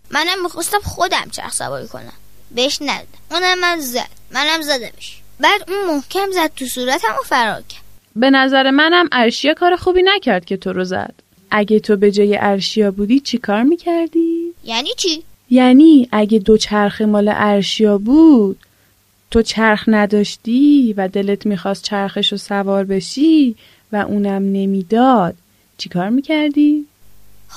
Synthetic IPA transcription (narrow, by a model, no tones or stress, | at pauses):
mænæmːixɑst̪æmxod̪æ̰mt͡ʃʰæ̰ɾxsæ̰bɒ̰ːɾḭkʰo̞̰næ̰m | beheʃnæd̪ud̪æmunæmːænzæ̰d̪̥̚mænæmzæd̪æmeʃ | bæːd̪unmohcʰæmzæd̪̥̚t̪ʰusuːɾæt̪ʰæmofæɾɒ̰ːɾcʰæɾd̥̪be̞næzæɾe̞mænæmʔæɾʃijɒːkʰɒːɾe̞xuːbiːnæcʰæɾd̪̚cʰʲe̞t̪ʰo̞ɾozæ̰d̪̥ | ʔæɟet̪ʰobe̞d͡ʒɒːjḛʔæɾʃijɒːbuːd̪iːt͡ʃʰikʰɒːɾmiːcʰæɾd̪ijænit͡ʃʰi | jæniːʔæɟe̞d̪o̞t͡ʃʰæɾxemɒːlḛʔæɾʃijɒːbuːd̪̥ | t̪ʰot͡ʃʰæɾxnæd̪ɒːʃt̪ivæd̪e̞le̞t̪ʰmiːxɒːst̪̚t͡ʃʰæɾxe̞ʃosævɒːɾbe̞ʃi | væʔuːnæmne̞miːd̪ɒːd̪̥̚ | t͡ʃʰikʰɒːɾmiːcʰæɾd̪iː